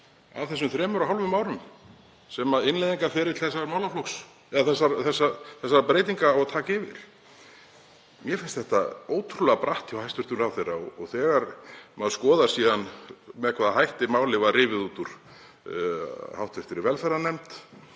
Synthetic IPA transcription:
a̰vθɛs̬ʏmθɾɛːmʏɾaɦalvʏmaːwɾʏm | sɛmaðɪnlejðiŋkafɪɾɪt̪ʰɪ̥lθɛsːaɾmawlaflɔks | ɛðaθɛsːaɾθɛsːaθɛsːaɾpɾejt̪iŋkaaɣat̪ʰaːcːvɪ̰ɾ̥ | mjɛfɪnst̪θɛht̪aoːwt̪ʰɾulɛɣapɾaht̪ɪwhajst̪vʏɾ̥t̪ʏmɾawθejrːa̰ɔ̰ɔɣθɛːɣaɾmaðskɔːðḁsiːðanmɛðkvaðaɦajht̪ɪmaːwlɪvaðrɪːvɪðuːt̪uɾ̥ | hawht̪vɪɾ̥t̪ɪɾɪɾvɛlfɛɾːanɛmt̪

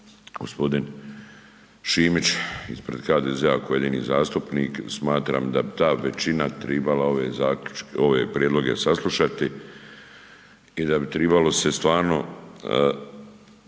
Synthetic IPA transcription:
ɡ̥ospo̞d̪in | ʃiːmit͡ʃispɾe̞d̪xaːd̪eːzeakoje̞d̪iːnḭːzaːst̪upniːksmaːt̪ɾa̰ːmd̪abit̪aːʋet͡ʃinat̪ɾebalao̞ʋezaːkut͡ʃko̞ʋe̞pɾjed̪lˠo̞ɡe̞saslˠuʃat̪i | id̪abit̪ɾɛbalo̞se̞st̪ʋaːɾno̞̰

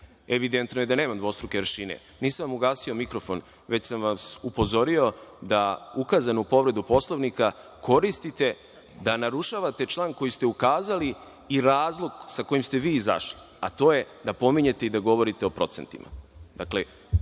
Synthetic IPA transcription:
eʋid̪e̞nt̪noje̞d̪ane̞ːmamd̪ʋo̞st̪ɾuke̞ɾɾʃinḛ | niːsaʋamuɡaːsio̞mikɾo̞fo̞n | ʋe̞t͡ɕsamʋasupo̞zo̞ɾio̞d̪aukazanoupo̞ʋɾe̞d̪upo̞slˠoʋnikakʰo̞ɾist̪it̪e̞ | d̪anaɾuʃaːʋat̪e̞t͡ʃlˠaːnko̞jist̪eukaːzali | iɾaːzlˠo̞ɡsako̞jimst̪e̞ʋiːiza̰ʃli | a̰t̪o̞ːje̞d̪apo̞miɲe̞t̪e̞id̪aɡo̞ʋo̞ɾit̪eo̞pɾo̞t̪se̞nt̪ḭmʔa̰d̪akle̞

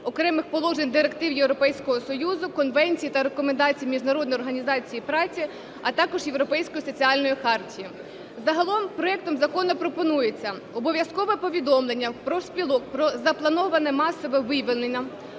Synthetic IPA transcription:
ɔkɾɛmɪxpɔlˠɔʒenʲd̪ɪɾekt̪ɪwjewɾɔpɛjsʲkɔɦɔsɔjuzʊkɔnʋɛnʲt͡sʲijit̪ɐɾekɔmend̪ɑt͡sʲijimʲiʒnɐɾɔd̪nɔjɔrɦɐnʲizɑt͡sʲijipɾɑt͡sʲi | ɐt̪ɑkɔʒjewɾɔpɛjsʲkɔjisɔt͡sʲiɑlʲnɔjixɑrtʲiji | zɐɦɐlˠɔmpɾɔɛk̚t̪ɔmzɐkɔnʊpɾɔpɔnujet͡sʲːɐ | ɔbɔʋʲjɐskɔʋɛpɔʋʲid̪ɔmlˠenʲːɐpɾɔwsʲpʲilˠɔkpɾɔzɐplˠɐnɔʋɐnɛmɑsɔʋɛʋɪʋɪnenʲːɐ

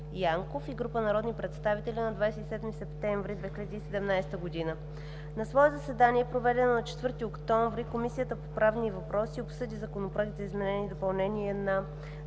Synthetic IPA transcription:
jaŋkofiɡɾupənɐɾɔd̪nipɾɛt̪st̪avit̪ɛlʲinɐd̪vajsɛt̪isɛd̪misɛpt̪ɛɱvɾid̪vɛxʲilʲəd̪iːsɛd̪ɛmnajst̪əɡod̪inə | nɐsvɔɛzɐsɛd̪aniɛpɾovɛd̪ɛnonɐt͡ʃɛ̥t̪vɤɾt̪iokt̪ɔ̃ɱvɾikomisijət̪əpopɾavnivɐpɾɔsiopsɤd̪izɐkonopɾaɡ̪ʲzɐizmɛnɛnid̪opɐlˠnɛniɛnɐ

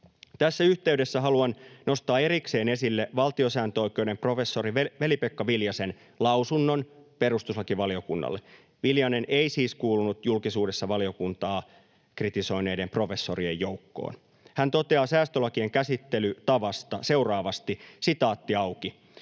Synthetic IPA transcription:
t̪æsːæyht̪e̞yde̞sːæɦɑluɑnnʔo̞st̪ɑːe̞ɾikse̞ːne̞silːeʋɑlt̪io̞sæːnt̪øo̞jk̟ewde̞mpro̞fe̞sːo̞ɾiʋeʋe̞lipekːɑʋiljɑse̞n | lɑwsunːo̞npe̞rust̪uslɑkiʋɑliokunːɑ̰lːḛ | ʋiljɑne̞nʔeisiːskuːlunut̪julkisuːde̞sːɑʋɑlio̞kunt̪ɑː | krit̪iso̞ine̞jdempro̞fe̞sːo̞riejːo̞wkːo̰ːn | hænt̪o̞t̪e̞ɑːsæːst̪ølɑkieŋkæsit̪ːe̞lyt̪ɑʋɑst̪ɑse̞urɑːʋɑst̪isit̪ɑːt̪ːiɑwki

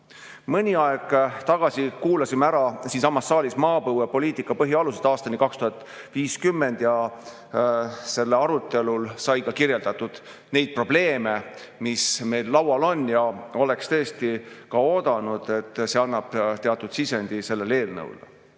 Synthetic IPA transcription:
mɤnʲiɑɛɡ̥t̪ɑɡ̥ɑsikuːlɑsimeæɾɑsiːnsɑmːɑsːɑːlismɑːbɤwɑpo̞liːt̪ˑikːˑɑpɤɦiɑlused̪ɑːst̪ɑnikɑkst̪uhɑt̪ːˑ | viːskymːe̞nd̪̥jɑ | se̞lːeɑɾut̪ˑːe̞lulsɑjkɑkirje̞ld̪ɑt̪ːud̪̥ | ne̞jd̪̚pro̞b̥le̞ːme | misme̞jlːɑwɑlo̞njɑo̞le̞kst̪ɤ̞est̪ikɑoːd̪̥ɑnud̪̥e̞t̪ːse̞ɑnːɑb̥t̪eɑt̪ːˑud̪̥sise̞nd̪̥ise̞lːe̞le̞ːlnɤ̰w̰l

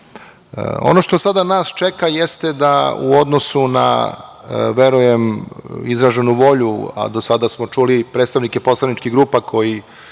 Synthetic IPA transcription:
o̰no̞ʃt̪osad̪anaːst͡ʃekajest̪ed̪aṵod̪no̞suna̰ | ʋe̞ɾujemizɾaʒenuʋo̞ʎua̰d̪o̞sad̪asmo̞t͡ʂulipɾeːt̪st̪aʋnikepo̞slˠanit͡ʃkiɡɾuːpakʰo̞ji

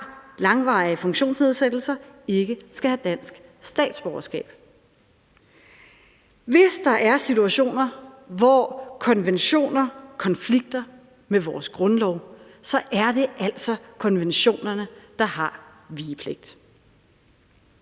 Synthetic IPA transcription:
lɑ̈ŋʋɑ̰̈iəfɔ̽ŋɕo̝̰ːnsne̝ð̞ˠsed̥l̩sɐe̝ɡ̥əsɡ̥æhæd̥æn̰sɡ̥sd̥ɛ̰ːd̥sb̥ɒɐsɡ̥ɛ̰ːb̥ | ʋe̝sd̥ɑ̈ʔæɐsit͡sʰuæɕo̝̰ːnɐʋɒkʰɒ̽nʋenɕo̝̰ːnɐkʰɒ̽nfliɡ̥̚d̥ɐ | meʋɒːsɡ̥ʁɔ̽nlɒʊsɒ̽ʔæɐd̥e̝ʔæl̰sɒ̽kʰɒ̽nʋenɕo̝̰ːnɐnəd̥ɑ̈hɑ̈ | ʋiːəpʰleɡ̥̚d̥

